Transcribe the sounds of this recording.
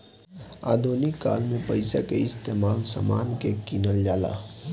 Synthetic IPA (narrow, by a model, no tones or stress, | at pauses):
a̰ːd̪ʱonɪkːaːlmẽpəɪsa̰keɪst̪eːmaːlsa̰maːnkekinəld͡ʒaːla̰